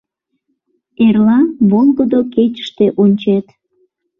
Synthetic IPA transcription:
erlɑβolˠɣəd̪oket͡ɕə̥ʃt̪eʔonʲt͡ɕet̪

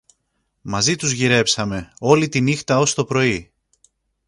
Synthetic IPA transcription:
mɐzit̪uzʝiɾe̞psɐme̞o̞lit̪inixt̪ɐo̞st̪o̞pɾo̞i

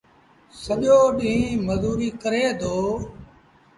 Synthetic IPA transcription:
səʄoːɗĩːməzuːɾiːkəɾeːd̪ʱoː

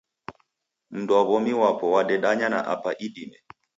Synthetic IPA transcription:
m̩nduaβɔmiwapɔwaɗɛɗaɲana̰ʔa̰paʔiɗimɛ

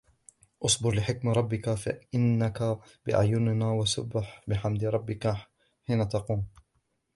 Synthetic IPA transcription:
ʔʊsˤbɪɾlɪħɪkmɾˤɑbːɪkafaʔɪnːaka | bɪʔa̰ʕjʊnɪnaːwasʊ̰bɪħbɪħamd̪ɪɾˤɑbːɪka | ħinaːt̪ɑquːm

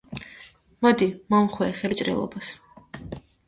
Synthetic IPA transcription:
mad̪imamχwɛːχɛlit͡ʃʼɾɛ̰lˠɔ̰bas

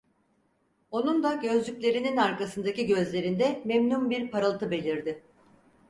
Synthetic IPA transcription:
o̞nund̪aɟø̞zlʲycʲlʲe̞ɾininaɾkasɯnd̪aciɟø̞zlʲe̞ɾind̪ɛmemnumbiɾpʰaɾalˠt̪ʰɯbe̞lʲiɾd̪ɪ

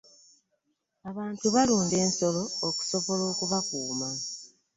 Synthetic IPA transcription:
aβaːntuβaluːnde̞ːnso̞lo̞ːku̥so̞βo̞lo̞ːkuβakuːma

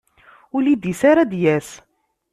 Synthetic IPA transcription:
ʊlid̪isaɾad̪jæs

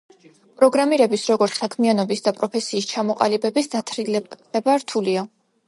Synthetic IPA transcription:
pʼɾɔɡɾamiɾɛbisɾɔɡɔɾt̪sʰsakʰmianɔbisd̪apʼɾɔpʰɛsiːst͡ʃʰamɔqʼa̰libɛbisd̪at̪ʰɾilɛ | ɛbaɾt̪ʰulia

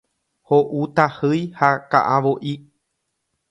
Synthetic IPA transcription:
hoʔut̪ahɨjhaka̰ʔãʋoʔi

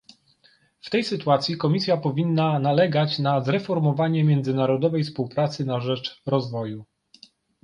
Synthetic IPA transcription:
ft̪ɛjsɘt̪uat̪sʲjikɔmʲisʲjapɔvʲinːanalɛɡat͡ɕnazɾɛfɔɾmɔvaɲɛmʲjɛnd̪zɘnaɾɔd̪ɔvɛjfspuwpɾat̪sɘnaʐɛt͡ʂɾɔzvɔju

